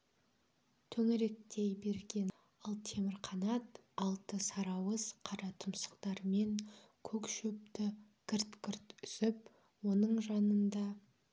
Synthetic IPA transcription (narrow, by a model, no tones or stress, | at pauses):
t̪ʰɵŋɪɾe̞k̚t̪ejbe̞ɾɡʲe̞n | ɑlˠt̪ʰe̞mɪɾχɑnɑt̪ɑlˠt̪əsɑɾɑwəzqʰɑɾɑt̪ʰʊmsə̥qt̪ɑɾme̞ŋkʲʰɵkʃɵp̚t̪ɪkʲʰɪɾt̪kʲɪɾt̪ʏsɪp̚ | wo̞nəɴʒɑnənd̪ɑ